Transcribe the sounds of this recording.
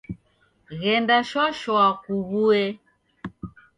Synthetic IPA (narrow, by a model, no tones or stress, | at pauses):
ɣɛndaʃwaʃɔakuβuɛ